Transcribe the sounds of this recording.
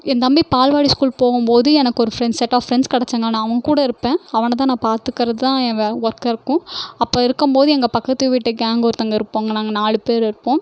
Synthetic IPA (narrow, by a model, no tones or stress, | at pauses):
ɛnd̪ɐmbipaːlʋaːɽiskuːlpoːɣɯmpoːðɯɛnɐkːɯɔɾɯfɾɛnsɛʈːaːfɾɛnskɐɽɛt͡ʃːɐːŋɡɐnãːɐʋɐŋɡɐkuːɽɐɪɾɯpːẽːɐʋɐnɐt̪̬ãːnãːpaːɾt̪ɯkːɪɾɐðɯt̪ãːɛŋɡɐɔɾkɐɪɾɯkːʊ̃ɐpːoːɪɾɯkːɯmpoːðɯɛŋɡɐpɐkːɐt̪ːɯʋɪʈːɯɡaːŋɡɔɾɯt̪ɐŋɡɐɪɾɯpːoːŋɡɐnaːŋɡɐnaːɭɯpeːɾɪɾɯpːõː